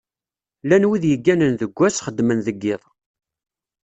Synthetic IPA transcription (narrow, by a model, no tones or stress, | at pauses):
lænwiðjəɡːænənðəɡʷːæsχəd̪ːmənðəɡːɪðˤ